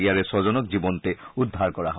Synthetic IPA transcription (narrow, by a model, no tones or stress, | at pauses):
ijaɹɛsɔzɔnɔkzibɔntɛudʱːaɹkɔɹaɦɔ